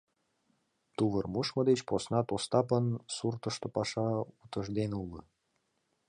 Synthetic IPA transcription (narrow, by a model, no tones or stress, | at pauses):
t̪uβərmuʃməd̪et͡ɕposnɑt̪ost̪ɑpənsurt̪əʃt̪opɑʃɑut̪əʒd̪enulə